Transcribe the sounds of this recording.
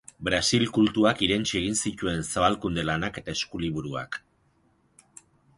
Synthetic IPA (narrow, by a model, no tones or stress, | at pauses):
bɾasilkult̪uakiɾe̞nt͡ʃie̞ɣ̞insic̪ue̞nsaβalkund̪e̞lanake̞t̪ae̞skuliβuɾua̰k